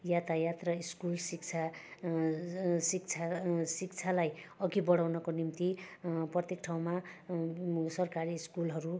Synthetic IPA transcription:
jat̪ajat̪rʌiskulsik̚t͡sʰa | sik̚t͡sʰasikt͡sʰalajʌɡibʌɽawnʌkonimt̪iprʌt̪jekʈʰaw̃ma | sʌrkaɾiskulɦʌɾu

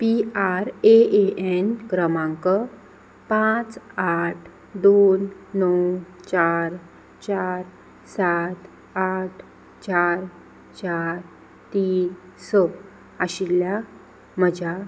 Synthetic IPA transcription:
piaɾeeenkɾəmãŋkə | pãt͡saʈʰ | d̪onːɔwt͡ɕaɾ | t͡ɕaʈ | saʈʰ | aʈʰ | t͡ɕaɾ | t͡ɕaɾ | t̪iːn | sə | aɕilja | məd͡ʑa

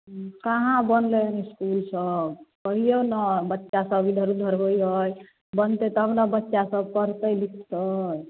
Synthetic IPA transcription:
kaɦãbənleneskulsəb̚kəɦijonəbətːʃasəbid̪ʱəɾud̪ʱəɾɦojɦəj | bənt̪et̪ɔɦəmnabətːʃasəb̚kəɾt̪əjlikʰt̪əj

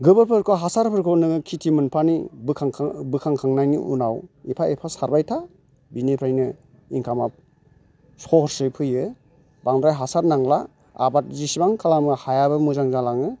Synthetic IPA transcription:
ɡɯbɯpʰɯɾkʰɔɦasaɾpʰɯɾkʰɔnɯɡkʰitʰimɯnpʰanḭbʰaŋbɯkʰaŋkʰaŋnajniʔṵnawipʰaepʰasaɾbajtʰa | binipʰajnɯ | iŋkʰamap̚ | sɔɾsɯpʰɯjɯ | baŋdɾajɦasaɾnaŋla | a̰bat̚zisibaŋkʰalamɯhajabɯmuzaŋzalaŋɯ

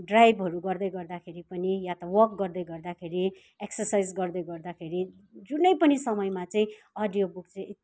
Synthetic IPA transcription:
ɖrajbʱɦʌɾuɡʌrd̪ʌjɡʌrd̪akʰeɾipʌnijat̪ʌwʌrk̚ɡʌrd̪ʌjɡʌrd̪akʰeɾi | eksʌrsajd͡zɡʌrd̪ʌjɡʌrd̪akʰeɾi | d͡zunʌjpʌnisʌmʌjmat͡sʌĩ | ʌɖijobuk̚t͡sʌĩ

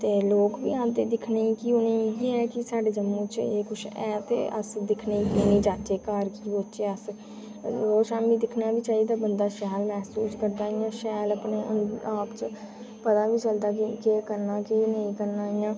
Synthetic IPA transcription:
t̪eːloːkbḭːãːd̪eːd̪ɪkʰneiːkiʊnẽːiːɦɛːkɪsaːɖeːd͡ʒəmːũːt͡ʃeːkʰʊʃʰɛːt̪ḛːʔə̰sd̪ɪkʰneiːkiːnĩːd͡ʒaːt͡ʃeːkaːɾkiːboːt͡ʃeəs | ɾoːʃãːnbiːd̪ɪkʰnaːbiːt͡ʃaːiːd̪aːbənd̪aːʃɛːlmɛːsuːskəɾd̪aːijãːʃɛːləpneːʔənaːpt͡ʃ | pət̪aːʋiːt͡ʃəld̪aːkikeːkəɾnaːkinəĩːkəɾnaːijãː

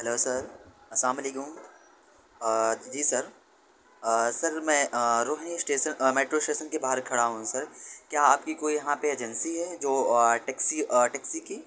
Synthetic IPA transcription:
ɦɛloːsɐɾɐslaːmɐleːkʊ̃m | d͡ʒiːsɐɾ | sɐɾmɛ̃ːɾoːɦnisʈeːʃənmeːʈɾosʈeːʃənkebaːɦəɾkʰɐɽaɦũsɐɾkjaːaːp̚kikoːijɐɦãpeeːd͡ʒənsiɦɛd͡ʒoːʈeːksiʈɛːksikiː

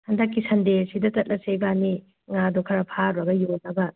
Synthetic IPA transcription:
hɐndɐkːisɐndesidɐtɐt̚lʔɐsebani | ŋadokʰɐɾɐpʰaɾbɐɡɐjonɐbɐ

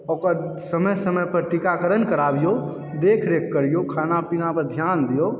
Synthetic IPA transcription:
okəɾ | səməjsəməjpəɾʈikakəɾənkəɾabijo | d̪ekʰɾekʰːəɾijokʰanapinapəɾd̪ʱjand̪ijo

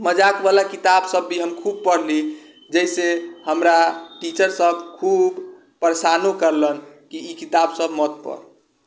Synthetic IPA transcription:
məd͡ʒakbalakit̪absəbːiɦəmkʰub̚pəɾli | d͡ʒəjsehəmɾaʈit͡ʃəɾsəbkʰub | pəɾesanukəɾlənkiːkit̪absəbmət̪̚pə̰ɾ

